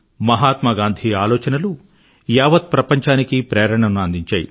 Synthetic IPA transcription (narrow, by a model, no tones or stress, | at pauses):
mɐɦaːt̪mɐɡaːnd̪ʱiaːlɔːt͡ʃɐnɐlu | jaːʋɐt̪̚pɾɐpɐɲt͡ʃaːnikipɾɛːɾɐɳɐnuɐnd̪iɲt͡ʃaːjḭ